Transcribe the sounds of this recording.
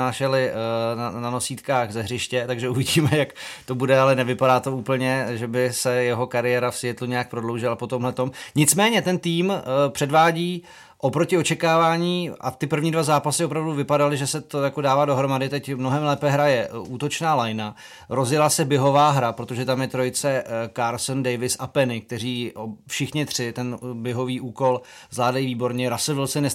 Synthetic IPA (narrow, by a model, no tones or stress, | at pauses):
aːʃɛlɪanano̞siːt̪kaːɣzɛɦrɪʃcɛt̪aɡʒɛuvɪɟiːmɛjakt̪o̞budɛalɛnɛvɪpadaːt̪o̞uːpl̩ɲɛʒɛbɪsɛjɛɦo̞kaɾɪjɛːɾafsjɛt̪luɲɛjak̚pɾo̞dlowʒɪlapo̞t̪omɦlɛt̪o̞mɲɪt͡smɛːɲɛt̪ɛnt̪iːmpr̝̥ɛdvaːɟiː | ʔo̞pɾo̞cɪo̞t͡ʃɛkaːvaːɲiːʔa̰t̪ɪpr̩vɲiːdvazaːpasɪopɾavduvɪpadalɪʒɛsɛt̪ojakodaːvaːdo̞ɦɾo̞madɪt̪ɛcmno̞ɦɛmlɛːpɛɦɾajɛʔuːt̪o̞t͡ʃnaːlajna | ɾo̞zjɛlasɛbjɛɦo̞vaːɦɾapɾo̞t̪o̞ʒɛt̪amjɛt̪ɾo̞jɪt͡sɛkaɾlsndɛjvɪsʔapɛnɪk̚t̪ɛɾiːofʃɪxɲɪt̪r̝̥ɪt̪ɛnbɛɦo̞viːʔuːko̞l | zlaːdajiviːbo̞ɾɲɛɾasovɪlsɛnɛ